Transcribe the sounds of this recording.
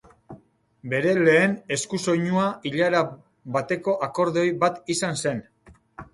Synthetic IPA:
be̞ɾe̞le̞ːne̞skuso̞jɲuaiʎaɾa | βat̪e̞ko̞ʔako̞ɾðo̞jβat̪isanse̞n

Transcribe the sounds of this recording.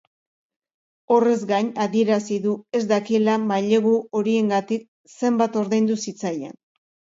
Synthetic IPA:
o̞re̞zɡaɲaðie̞ɾasiðue̞zd̪akilamaʎe̞ɣuo̞ɾie̞ŋɡat̪ik̚ | se̞mbat̪o̞ɾðejnd̪usit͡sajḛn

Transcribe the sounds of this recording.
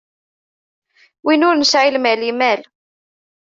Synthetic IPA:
winʊɾnəsʕilmælimæl

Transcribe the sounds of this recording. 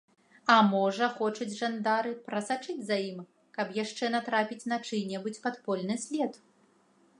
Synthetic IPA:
ɐmɔʐɐxɔt͡ʂud͡zʲʐand̪aɾɨpɾɐsat͡ʂɨd͡zʲzajim | kɐpjaʂt͡ʂɛnɐt̪ɾapʲit͡sʲnat͡ʂɨnʲɛbut͡sʲpat̪pɔlʲnɨsʲlʲɛt̪

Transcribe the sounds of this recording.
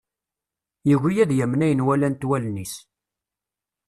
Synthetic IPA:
jəɣʷijæðjæmnæjənwælænt̪wælnis

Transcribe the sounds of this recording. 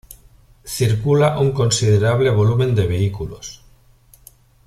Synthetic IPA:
θiɾkulaʔuŋkonsið̞eɾaβ̞leβ̞o̞lumẽ̞nd̪eβ̞e̞ikulo̰s

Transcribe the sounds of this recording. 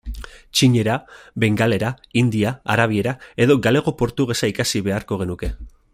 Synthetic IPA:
t͡ʃiɲe̞ɾaβe̞ŋɡale̞ɾaind̪iaa̰ɾaβ̞ie̞ɾae̞ðo̞ɡale̞ɣo̞po̞ɾt̪uɣe̞saikasiβe̞aɾko̞ɣ̞e̞nuke̞

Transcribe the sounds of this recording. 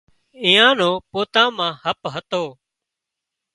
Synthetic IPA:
ĩːãːnõːpoːt̪ãːmãːhəpɦət̪oː

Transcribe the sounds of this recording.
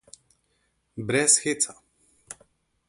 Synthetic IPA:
bɾɛsxet̪sa

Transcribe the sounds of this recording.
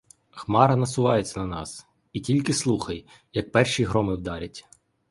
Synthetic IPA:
xmɑɾɐnɐsʊʋɑjet͡sʲːɐnɐnɑ̰s | itʲilʲkɪslˠuxɐj | jɐk̚pɛrʃijɦɾɔmɪwd̪ɑɾʲɐtʲ

